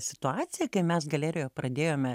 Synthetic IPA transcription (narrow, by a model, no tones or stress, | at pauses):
sʲɪ̥t̪ʊɑːtt͡s̪ʲɪjɛkɐɪmʲɛsɡɐlʲɛːɾʲɪjoːpɾɐd̪ʲeːjoːmʲɛ